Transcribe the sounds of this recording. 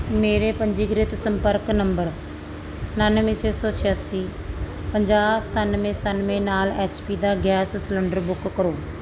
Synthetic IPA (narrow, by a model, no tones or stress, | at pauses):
meːɾepə̃ɲd͡ʒiːɡɾɪt̪səmpəɾknə̃mbəɾ | nanmẽt͡ʃʰeːsɔːt͡ʃʰɪjaːsiː | pəɲd͡ʒaːst̪ʰanmẽst̪aːnmẽnaːleːt͡ʃpiːd̪aːɡɛːssɪləɳɖəɾbʊkːəɾoː